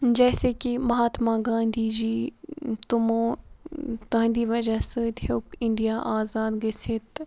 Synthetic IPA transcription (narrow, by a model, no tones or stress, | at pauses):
d͡ʒɛːsekimɐɦaːt̪mãɡãːnd̪ʱiːd͡ʒiːt̪ʊmõː | t̪ɐ̃ːnd̪iːʋɐd͡ʒasɨt̪hokɪ̃ɳɖijaʔaːzaːd̪ɡɐsɪt̪